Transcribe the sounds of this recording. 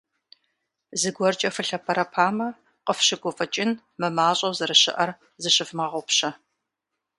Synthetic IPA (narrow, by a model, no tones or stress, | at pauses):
zɨɡʷɔrt͡ʃʼɐfɨɬɐpʰɐɾɐpʰaːmɐ | qəfɕɪɡʷɔfʼɐt͡ʃʼɪn | mɨmaːɕʼɐwzɨɾɨɕɪ̰ʔɐr | zɨɕɪfmɐʁʷɔpɕɐ